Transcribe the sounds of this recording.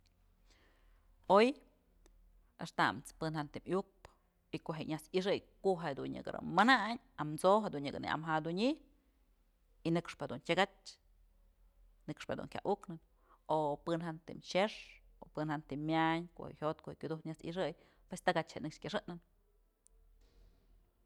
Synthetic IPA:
oj | eʂt̪a̰mt͡spɨnhant̪imjuk̚p | ikoʔɦeʔɲat͡siʂ̬ɨjkoʔɦed̪uɲɲɨ̰ɡɨɾa̰mːɨnaʔɲ | amt͡soɦad̪uɲːɨɡɨ̰nḭʔa̰mɦad̪uɲi | inɨkʂpɨhad̪unt͡ʃʲaɡat͡ʃ | nɨkʂpɨhad̪ṵnkʲa̰ʔuknɨn | opɨnhant̪imʃeʂopɨnhant̪imːʲjaɲko̰hḛʔhʲot̪̚kohekʲud̪uhkɲat͡sḭʂɨj | pwest̪aɡat͡ʃheʔnɨkʂkʲaʂɨʔnɨn

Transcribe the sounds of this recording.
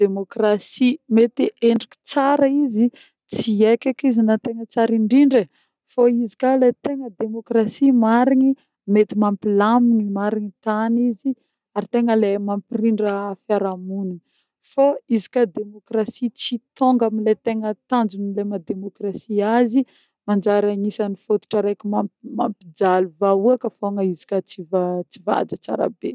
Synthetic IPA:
d̪̥emokrasimet̪iʔeɳɖ͡ʐiki̥t͡saɾaizi | t͡siekʲakizinat̪eŋət͡saɾiɳɖ͡ʐiɳɖ͡ʐə | faizikʲalet̪eŋəd̪emokrasimaɾini | met̪imampilaminimaɾinit̪anizi | aɾit̪eŋəlemampiriɳɖ͡ʐəfaɾamuni | faizikad̪emokrasit͡sit̪oŋɡamilet̪eŋət̪and͡ʒunilemad̪emokrasiazi | mand͡ʒaɾaŋisanifot̪u̥ʈ͡ʂaɾejkumamampid͡zaluvauakəfoŋəizi̥kʲət͡sivat͡siva̰d͡zit͡sa̰ɾa̰be

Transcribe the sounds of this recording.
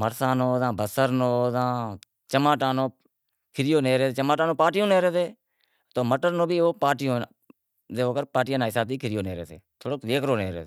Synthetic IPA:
məɾsãːnoːzãːbʱəsəɾnoːzãː | t͡ʃəmaːʈãːnoː | kʰɪɾɪjoːneːɾeːeːt͡ʃəmaːʈaːnõːpaːʈɪjõːneːɾeːseː | t̪oːməʈəɾnõːbʱiːoːpaːʈɪjõː | zeːoːkəɾpaːʈɪjaːnãːɦɪsaːb̚t̪iːkʰɪɾjoːneːɾḛːsʰḛːt̪ʰoːɽoːeːkɾoːneːɾḛːeː

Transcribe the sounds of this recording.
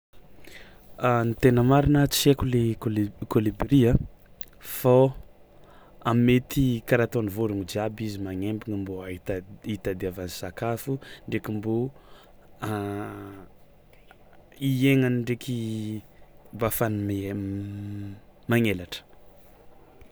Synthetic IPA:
anit̪enəmaɾinat͡sekulelkolibɾia | fa | amet̪ʰikaɾat̪onivoɾuŋid͡ʒiabizimaŋembiŋəmboait̪it̪ad̪eavanizakafuɳɖ͡ʐekimbo | a | ieŋaniɳɖ͡ʐekʰi | bafanim | maŋelaʈ͡ʂə̥

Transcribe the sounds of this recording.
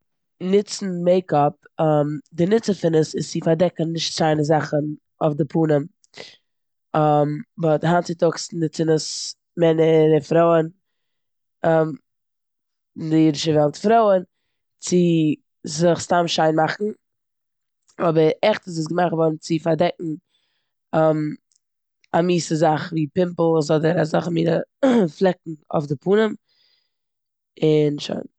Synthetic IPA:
nɪt͡sn̩meɪkɔp̚ | ɔmdɪnɪt͡səfɪnəsɪst͡sɪfaɾdɛkənnːɪʃtt͡saɪnəzaχən | ofdɪpʰuːnəm | amvɔtɦant͡sɪtʊksnɪt͡sɪnəs | mɛnəɾəfɾoʊən | ɔm | ɪndɪiːdɪʃəvɛlˠtfɾoʊən | t͡sɪ | zɪχstamʃaɪnmaχn̩ | ɔbəɾɛχtəs̬ɪsɡəmaχtvɔɾn̩t͡sɪfaɾdɛk̚ŋ̩ | m | amiːsəzaχviːpɪmpl̩ˠs̬ɔdəɾazaχmiːɾəflˠɛk̚ŋ̩ɔ̰fdɪpʰuːnəm | ɪnʃa̰ɪn

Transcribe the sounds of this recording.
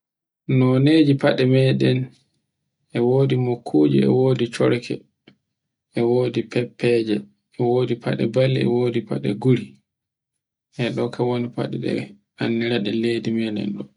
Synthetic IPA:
nɔned͡ʒipaɗɛmɛɗɛn | ʔɛwoːdimokʰːud͡ʒḭɛ̰woːdit͡ʃɔɾkʰɛ̰ | ʔɛwoːdipʰɛpʰːɛd͡ʒɛː | wodipʰa̰ɗɛ̰balːiɛ̰woːdipa̰ɗɛ̰ɡuɾi | ʔɛɗɔkʰawonipa̰ɗɛ̰ɗɛ̰ | anːiɾaɗɛledimɛɗɛ̰nɗɔ

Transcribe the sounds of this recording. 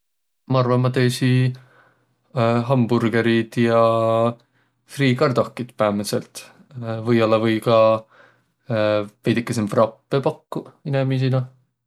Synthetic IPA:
mɑɑrvɑmːɑt̪eːsi | ɦɑmbuɾɡeɾid̪̥jɑ | friːkɑrd̪̥okːˑid̪̥pæameselt̪ | vɤjolːɑvɤjkɑ | vejd̪ikːˑesemfrɑpːepɑkːuinemis̬inɑ

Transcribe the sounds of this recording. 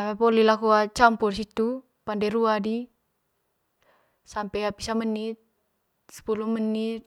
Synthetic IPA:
pɔlilakuat͡ʃampursit̪u | pandɛɾuadi | sampɛapisamənːit̪̚ | sə̥pulumənːit̪̚

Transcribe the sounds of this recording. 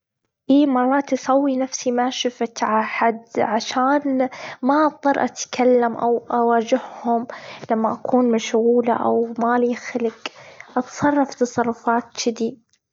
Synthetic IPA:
ʔiːmɑrˤːɑːt̪ʔɑsˤɑwːinafsimaʃɪfat̪ʕaħad̪ʕaʃaːnmaʔt̪ˤːɑɾˤʔat̪kʰalːamʔa̰wʔawaːd͡ʒɪhhʊmlamːaʔakʰuːnmaʃɣuːla̰ʔa̰wmaːlixɪlɪkʔɑt̪sˤɑrˤːɑft̪ɑsˤɑrˤːʊfɑːt̪t͡ʃɪd̪i

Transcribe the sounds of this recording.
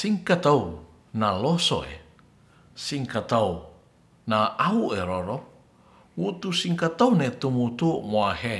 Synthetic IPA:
siŋkat̪au | naloso̰ḛ | siŋkat̪au | naʔaueɾoɾɔ | wut̪usiŋkat̪aunet̪umut̪umoahe

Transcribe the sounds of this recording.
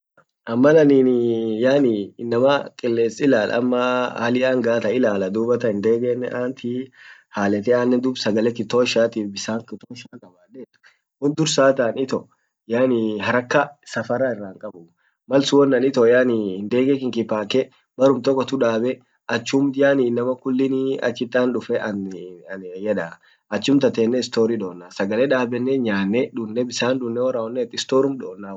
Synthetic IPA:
ɐmːɐlɐniːnjaːnɪɪnːɐmakʼɪlːeːsɪlaːlʔɐ̰ɐ̰mːɐhɐlɪʔaːŋɡaːt̪ɐɪlaːlɐd̪uːbɐt̪ɐɪnd̪eːɡɛnːɛʔaːnt̪ihaːlɛt̪ɛaːnːɛd̪uːbsɐɡɐlɛkːɪt̪oːʃaːt̪iːfbɪsaːŋkɪt̪oːʃaːkʼɐbaːlːɛt̪ːʊ̥ | hʊnd̪ʊɾsaːt̪aːnɪt̪ɔ | jaːnɪhɐɾɐkːɐsɐfɐɾaɪrːaːŋkʼɐbʊ | mɐlsʊwɔnːɐnɪt̪ɔjaːnɪɪnd̪eːɡɛkɪŋkɪpːaːkɛ | bɐɾʊmt̪ɔkʼːɔt̪ʊᶑaːbɛ | ʔɐt͡ʃːumd̪ɪjaːninːɐmɐkʊlːɪnɪɐ̰t͡ʃːɪt̪ʼːaːnᶑʊfɛʔɐ | jɛᶑa | ɐt͡ʃːʊmt̪ɐt̪eːnːɛɪst̪oːɾiᶑo̞ːnːaːsɐɡɐleᶑaːbɛnːɛɲaːnːɛᶑʊnːɛbɪsaːnd̪ʊnːɛwɔɾaːɔnːɛːt̪ːɪst̪oːɾʊmᶑoːnːaː

